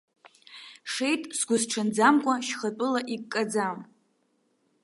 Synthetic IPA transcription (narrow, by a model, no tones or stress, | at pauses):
ʂejtʼsɡʷʊzʈ͡ʂʰɨnd͡zamkʷʼaʃχat͡pʷʼɨlaʔikʼːad͡zam